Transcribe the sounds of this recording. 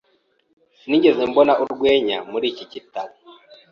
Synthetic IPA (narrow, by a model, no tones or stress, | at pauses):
siniɲɟe̞zembonaʔuɾɡwe̞ːɲamuɾiːcicitaɾi